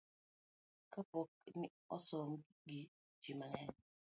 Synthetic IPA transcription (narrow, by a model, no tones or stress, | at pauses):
kapɔk̚ni | ɔsɔm | ɡi | t͡ʃimaŋɛn